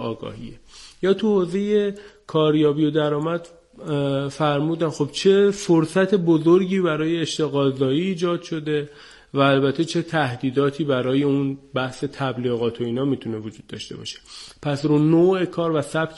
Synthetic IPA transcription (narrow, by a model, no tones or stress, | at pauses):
ɒːɡɒ̰ːhḭːejɒːt̪ʰuhoːze̞je̞kʰɒːɾjɒːbijo̞d̪æɾɒːmæd̪̥ | fæɾmuːd̪ænxo̞b̥̚t͡ʃʰe̞foɾsæt̪ʰebo̞zo̞ɾɟiːbæɾɒːje̞ːʃt̪e̞ɣɒːzɒːiːd͡ʒɒːd̪̥ʃo̞d̪e̞ | væːlbæt̪ʰːe̞t͡ʃʰe̞t̪ʰæhd̪iːd̪ɒːt̪ʰiːbæɾɒːje̞unbæhse̞t̪ʰæbliːɣɒːt̪ʰo̞iːnɒːmiːt̪ʰune̞vod͡ʒuːd̪ːɒ̰ːʃt̪e̞̰bɒ̰ʃe̥pʰæsɾuːnoːe̞kʰɒːɾvæsæb̥k